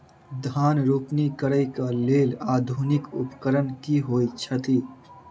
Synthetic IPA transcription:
d̪ʱaːnɾuːpnikəɾəɪkaleːlaːd̪ʱunɪkʊ̰pkəɾənkiɦoːjt͡ʃʰət̪i

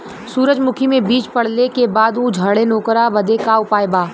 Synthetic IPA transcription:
suːɾəd͡ʒmʊkʰimẽbiːt͡ʃpɐɽ̤lekebaːd̪ud͡ʒʱɐɽenoːkɾabɐd̪ekaʊpaːjbaː

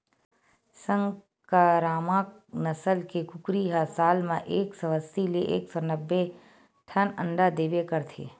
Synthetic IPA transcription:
sə̃ŋɡ | kaɾaːmak | nəsəlkekʊkɾiɦasaːlmẽʔeːksɔʋəst̪ilieʔeːksɔːnəbːe | ʈʰənə̃ɳɖad̪eːbekəɾt̪ʰḛː

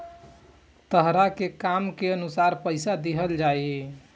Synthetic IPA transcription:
t̪əɦɾakekamkeənusaɾpəɪsad̪iɦəld͡ʒai

